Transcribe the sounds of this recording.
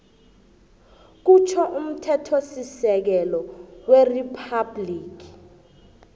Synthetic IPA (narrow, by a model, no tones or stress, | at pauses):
k̬ut͡ʃʰɔʔum̩tʰɛtʰosisɛk̬ɛlɔweripʰabliːki̥